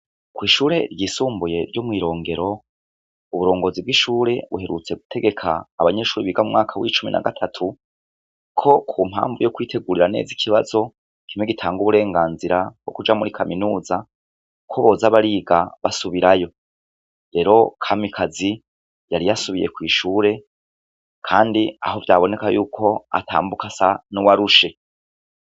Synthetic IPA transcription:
kwiːʃuːɾe̞ɾɟiːsuːmbuje̞ɾɟomŋiːɾo̞ːŋɡe̞ɾo̞ | uβuɾo̞ːŋɡozibɡiʃuːɾe̞βuɦe̞ɾut͡se̞ɡu̥tʰe̞ɡe̞kʰaːβaɲe̞ʃuːɾiβiɡamumŋaːkʰawit͡ʃumḭna̰ɡatʰatʰu | kʰo̞kʰuːmha̰ːɱvujokwiːtʰe̞ɡuɾiɾane̞̰ːzikʰiβazo̞ | kimweɡitʰaːŋɡuβuɾe̞ːŋɡaːnziɾabɡ̥o̞̰kud͡ʒamuɾikʰaminuːza | kʰoβo̞ːzaβaɾiːɡaβasuβiɾajo̞ | ɾe̞ɾo̞kʰamikʰazi | jaɾijasuβije̞̰kwiːʃuːɾe̞ | kʰaːndia̰ho̞vjaːβo̞ne̞kajuːkʰo̞a̰tʰa̰ːmbukasanuwaɾuʃe̞

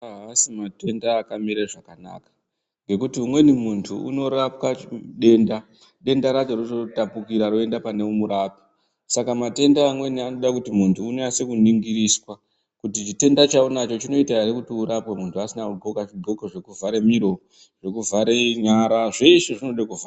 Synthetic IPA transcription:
ɦaasimate̞ndaːkamiɾaʐakana̰ka | ŋɡe̞kutiumwe̞nimuntʰuṵno̞ɾapkaɗe̞nda | ɗe̞ndaɾat͡ʃo̞rototapukiɾaɾoe̞ndapane̞umuɾaːpi̥ | sakamate̞ndaːmwe̞niano̞ɗakutimuntʰuːnease̞kuniŋɡiɾiswa | kutit͡ʃite̞ndat͡ʃaunat͡ʃo̞t͡ʃino̞itaarikutiuɾapwemuntʰuasinaubokaʐibʱo̞koʐe̞kuvʱaɾe̞miɾo̞ | ʐ̥e̞kuvaɾe̞ɲaɾaʐeʃeʐino̞ɗakuva

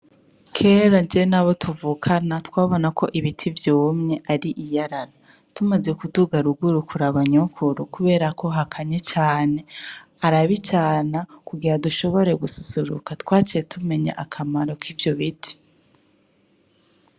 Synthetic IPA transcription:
kʰe̞ːɾand͡ʒienaβo̞tʰuvukʰanatwaːβo̞nakʰo̞ʔiβitʰivjoːmɲe̞ʔaɾiʔijaɾaɾa | tumaze̞kuduɡaɾuɡuɾukʰuɾaβaɲukʰuɾukuβe̞ːɾako̞ɦakʰaɲet͡ʃaːne̞aɾaβit͡ʃaːnakuɡiɾaduʃo̞βo̞ɾe̞ɡususuɾṵkatwaːt͡ʃiɾetʰume̞ɲa̰ʔakʰamaɾo̞kiːvjo̞βitʰi̥

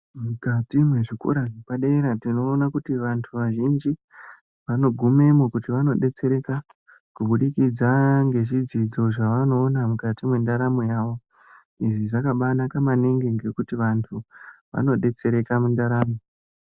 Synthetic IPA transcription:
mukatimwe̞ʐikṵɾanepaɗeiɾatino̞ːnakutiʋantʰuʋaʒind͡ʒi | ʋano̞ɡʱume̞mokutiʋano̞ɗe̞t͡se̞ɾe̞ka | kuɓuɗikid͡zaŋɡe̞ʐid͡zid͡zo̞ʐaʋano̞ːnamukatimwendaɾamojaːʋo̞ | iʐiʐakaɓanakamaniŋɡiŋɡe̞kutiʋantʰuʋa̰no̞ɗe̞t͡se̞ɾe̞kamundaɾaːmo

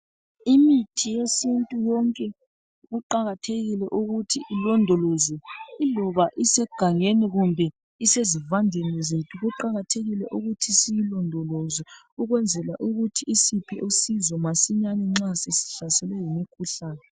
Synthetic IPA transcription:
imitʰijesintʼujɔŋkʼɛ | ɣuǃaɣatʰeɣilɛʔuɣutʰiʔilɔndʱɔlɔzɛilɔβaʔisɛɡ̥ʱaŋeniɣumbʱɛ | isezivandʱenɛzetʰuɣuǃaɣatʰeɣilɛʔuɣutʰisijilɔndʱɔlɔzɛ | uɣwɛnd͡zʱɛlaʔuɣutʰiisipʰɛʔosizɔmasiɲanɛŋ͡ǁasesi̥ɬasɛlɛjimikʰuɬaːnɛ

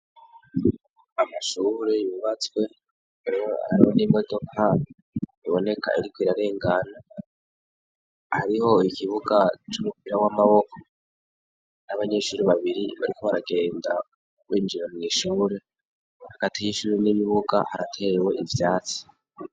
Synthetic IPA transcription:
amaʃuːɾeuβat͡swe̞ | aɾia̰ɾihoniːmɡodokhani | iβo̞ne̞kʰa̰iɾikwiɾaɾe̞ːŋɡana | haɾiho̞ikiβuɡat͡ʃumupiɾawamaβo̞ko | naβaɲe̞ʃuːɾiβaβiɾiβa̰ɾiko̞βaɾaɡe̞ːnda | wiːnd͡ʒiɾomŋiːʃuːɾe̞ | haɡ̥atijiʃuːɾeniβiβuɡa̰haɾatʰe̞ɾewe̞ivjaːt͡si̥

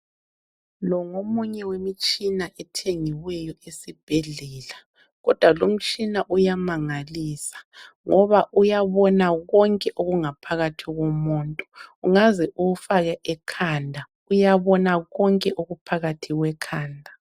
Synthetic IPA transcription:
lɔŋomuɲɛwemit͡ʃʼinaʔɛtʰeŋiwɛjɔesib̥ʱelɛːla | ɣɔd̥ʱwalom̩t͡ʃʼinaʔujamaŋaliːsḁ | ŋɔβaʔujaβɔnaɣɔŋkʼɛʔoɣuŋapʰaɣatʰiɣomuːntʼɔ̥uŋazɛʔuɣufaɣɛʔɛkʰandʱa | ujaβɔnaɣɔŋkʼɛʔoɣupʰaɣatʰiɣwɛkʰaːndʱa

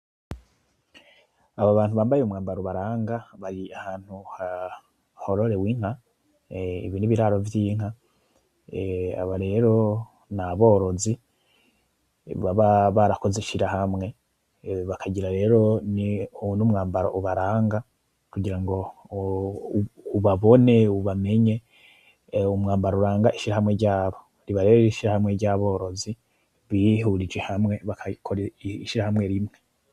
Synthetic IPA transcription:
aβaβaːnhuβaːmbajeumŋaːmbaɾoβaɾaːŋɡaβaɾiahaːn̥huha | ho̞ɾo̞ɾe̞wiːŋ̥a | ḭβiniβiɾaːɾo̞vjiːŋ̥a | a̰βaɾe̞ɾo̞ | naβo̞ːɾo̞zi | βaβaβaɾako̞zeʃiɾahamŋe̞ | βakaɟiɾaɾe̞ːɾo̞ninumŋaːmbaɾo̰ʔuβaɾaːŋɡa | kuɟiɾaŋɡo̞ | uβaβo̞ne̞uβame̞ɲe̞ | umŋaːmbaɾauɾaːŋɡaʔiʃiɾahamŋe̞ɾɟaːβo̞ | ɾiβaɾeiʃiɾahamŋe̞ɾɟaβo̞ːɾo̞zi | βihuɾid͡ʒe̞hamŋe̞βakʰakʰoɾeiʃiɾahamŋe̞ɾimŋe

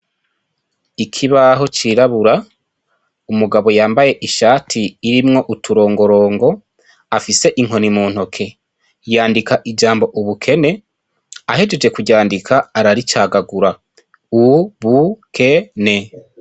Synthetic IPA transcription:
ikʰiβaɦo̞t͡ʃiɾaβuɾa | umuɡaβo̞jaːmbaje̞ʔiʃaːtʰiːɾimŋo̞ʔutuɾo̞ːŋɡo̞ɾo̞ːŋɡo̞ | afise̞ʔiŋ̥ɦo̞nimuːnhokʰe̞ | jaːndikaʔid͡ʒaːmbo̞ʔuβukʰe̞ne̞ | ahe̞d͡ʒed͡ʒe̞kuɟaːndikʰaːɾaɾit͡ʃaːɡaɡuɾa | uβukʰe̞ne̞

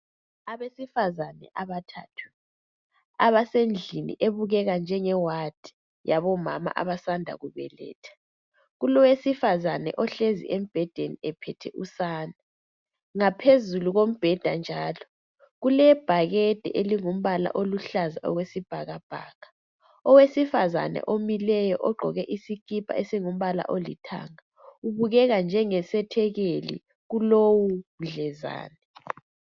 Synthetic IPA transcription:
aβesifazanɛ̰ʔaβatʰatʰu̥ | a̰βasend͡ɮʱinḭʔeβuɣɛɣand͡ʒʱɛŋɛwad̥ʱi̥ | jaβɔma̰ma̰ʔa̰βasandʱa̰ɣuβɛ̰lɛ̰ːtʰḁ | ɣulɔwesifazanɛ̰ʔɔɬezḭʔem̩b̥ʱɛd̥ʱeniɛpʰɛtʰɛʔusaːna | ŋapʰezuluɣom̩b̥ʱɛd̥ʱand͡ʒʱaːlɔ | ɣulɛb̥ʱaɣɛd̥ʱɛ̰ʔeliŋum̩βala̰ʔoluɬazaʔɔ̰ɣwesib̥ʱaɣab̥ʱa̰ːɣḁ | ɔwesifaza̰nɛ̰ʔomilɛjɔʔɔɡ͡ǃʱɔɣɛʔisikʼipʰa̰esiŋum̩βala̰ʔolḭtʰa̰ŋa | uβuɣɛɣand͡ʒʱɛŋɛsɛtʰɛɣelḭ | ɣulowum̩ɮɛza̰ːnɛ

